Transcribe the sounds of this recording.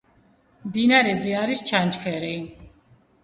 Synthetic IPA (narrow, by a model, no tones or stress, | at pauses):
md̪inaɾɛziaɾist͡ʃʰant͡ʃkʰɛɾi